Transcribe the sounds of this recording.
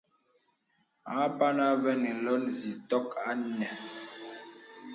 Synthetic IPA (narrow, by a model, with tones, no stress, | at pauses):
a˨˦pa˦na˦vɛ˦ni˨lɔ˦n˨zi˨tɔ˦ka˦nɛ˨